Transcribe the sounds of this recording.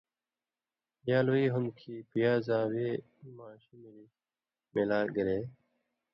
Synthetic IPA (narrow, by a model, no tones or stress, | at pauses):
jaːloiːɦʊnkʰiːpijaːzaːweː | maːɕimili | melaːɡəɾeː